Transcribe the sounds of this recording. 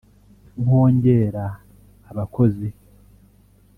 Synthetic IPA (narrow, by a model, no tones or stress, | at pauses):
uho̞ːɲɟe̞ːɾaː | βakʰo̞zi